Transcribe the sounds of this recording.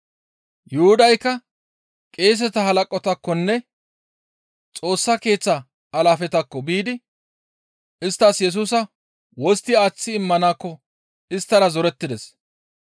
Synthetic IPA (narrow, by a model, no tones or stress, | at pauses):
jʊhʊd̪ɐjkːɐ | kʼe̞ːs̬ɛt̪ɐhɐlɐkʼːɔt̪ɐkːɔnːɛ | t͡sʼo̞ːsːɐke̞ːt͡sːɐː | laːfɛt̪ɐkːɔbiːd̪ɪ | ɪst̪ːɐsjɛs̬uːsɐ | wɔst̪ːɪaːt͡sːɪːmːɐnaːkːɔ | ɪst̪ːɐɾɐzɔɾɛt̪ːɪd̪ɛs